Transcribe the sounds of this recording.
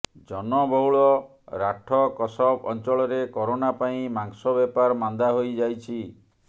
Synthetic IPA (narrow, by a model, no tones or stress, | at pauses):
d͡ʒɔnɔbɔwɭɔ | ɾaʈʰɔkɔsɔbɔnt͡ʃɔɭɔɾekɔɾonapaĩmaŋsɔbɛpaɾmand̪aɦojd͡ʒajt͡ʃʰi